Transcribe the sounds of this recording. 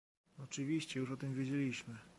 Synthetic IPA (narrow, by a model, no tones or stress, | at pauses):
ɔt͡ʂɘvʲiɕt͡ɕɛjuʂɔt̪ɘmvʲjed͡ʑelʲiɕmɘ